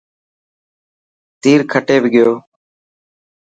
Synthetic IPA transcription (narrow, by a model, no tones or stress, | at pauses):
t̪iːɾkʰəʈeːbʱɪɡɪjoː